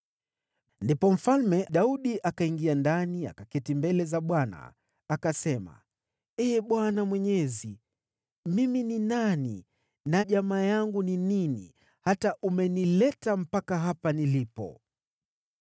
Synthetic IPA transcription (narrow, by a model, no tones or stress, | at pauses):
ndipɔm̩falmɛɗauɗiʔakaiŋɡiandania̰kakɛtimbɛlɛzaɓwana̰ː | kasɛma̰ | ɛːɓwanamwɛɲɛzi | mimininanḭ | naʄamaːjaŋɡunininḭ | hataʔumɛnilɛtam̩pakaɦapanilipɔ̰